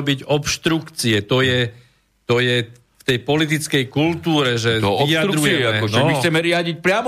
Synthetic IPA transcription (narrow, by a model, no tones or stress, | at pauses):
biɟɔpʃt̪ɾukt͡siɛt̪ɔjɛ | t̪ɔjɛ | ft̪ɛjpɔlit̪̬it͡skɛjkult̪uːɾɛʒɛiadɾɾujɛɛʒɛmixt͡sɛmɛɾɪaɟic̚pɾɪam